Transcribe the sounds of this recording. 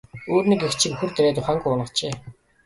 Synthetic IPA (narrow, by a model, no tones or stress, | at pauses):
oːrniːkext͡ɕʰĭkuxɘ̆rt̪eɾeːt̪ʊχaːŋɡuʊnʁə̆t͡ɕeː